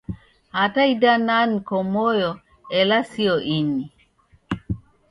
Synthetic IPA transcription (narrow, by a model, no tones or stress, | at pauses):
hataidanankɔmɔjɔ | ɛlasiɔʔini